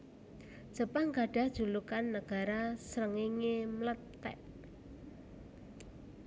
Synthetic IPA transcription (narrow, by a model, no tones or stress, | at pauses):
ʒ̥ə̤paŋɡaɖ̥a̤hd̥ʒ̥ṳlukanːəɡ̥a̤ɾasɾəŋiŋemlət̪ːɛ̰ʔ